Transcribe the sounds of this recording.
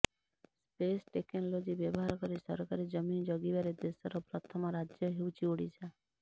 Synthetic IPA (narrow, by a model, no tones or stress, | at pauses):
spesʈeknɔlod͡ʒibjɔbɔɦaɾɔkɔɾisɔɾɔkaɾid͡ʒɔmind͡ʒɔɡibaɾed̪esɔɾɔpɾɔt̪ʰɔmɔɾad͡ʒjɔɦewt͡ʃʰioɽit͡ʃʰa